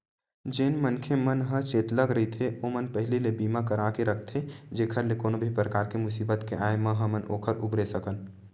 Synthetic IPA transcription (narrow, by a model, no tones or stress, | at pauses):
d͡ʒeːnmənkʰemənɦə̃t͡ʃeːt̪ləɡɾəɦit̪ʰeʔomənpəɦɪlilebiːmakəɾakeɾəkʰt̪ʰed͡ʒeːkʰəɾlekoːnobʱipɾəkaːɾkemʊsiːbət̪keʔaːemə̃ɦə̃mənʔo̰ːkʰəɾʊbɾesəkən